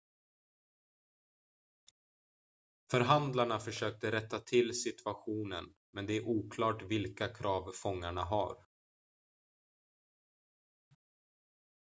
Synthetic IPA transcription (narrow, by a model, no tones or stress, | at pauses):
fœɾɦand̪laɳafœʂøːk̚t̪əɾɛt̪ːat̪ʰɪlsɪt̪ʰɵaɧuːnən | mɛnd̪ɛæɾʔuːkʰlɑːʈvɪlkakʰɾɑːvfɔŋːaɳaɦa̰ɾ